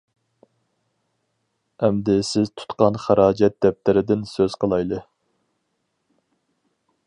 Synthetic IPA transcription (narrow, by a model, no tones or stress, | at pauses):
ɛmd̪ɪsɪzt̪ʰu̥t̪qɑnχæɾɑːd͡ʒɛt̪̚d̪̥ɛp̚t̪ɪɾɪd̪ɪnsøz̥qʰəlˠɑjlˠɨ